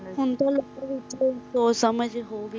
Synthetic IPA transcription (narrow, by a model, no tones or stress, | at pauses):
ɦʊnt̪õlokʋɪt͡ʃoisoːsəməd͡ʒɦoːʋi